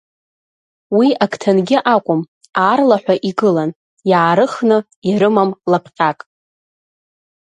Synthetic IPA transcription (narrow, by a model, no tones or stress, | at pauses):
wiaktʰanɡʲɪʔakʷʼʊm | arlaħʷᶣaʔiɡɨlan | jaːɾɨχnɨ | iɾɨmamlapʰqʲʼakʼ